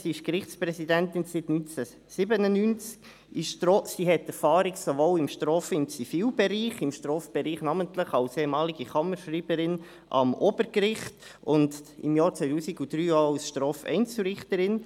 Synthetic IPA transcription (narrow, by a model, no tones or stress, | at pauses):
siɪʃkɾɪχtsprɛsidɛntɪnsɪtnynt͡sɛ | sɪbənənynt͡sk | ɪʃtɾosiːɦɛtɛɾfɑːɾɪksovoːlɪmʃtɾoːfəɪmt͡sifiːlbɛɾiːχɪmʃtɾɔːfb̥ɛɾiːχnɑmənt̪ləχɑlseːɛmɑːliɡiχɑməɾʃriːb̥əɾɪn | ʔɑ̰mob̥əɾkɾɪχtʊndɪ̰mjɑːɾt͡sʋœɪtuːsiɡud̥ɾyːawsʃtɾɔːfɛ̰ɪnt͡suɾɪχtəɾɪn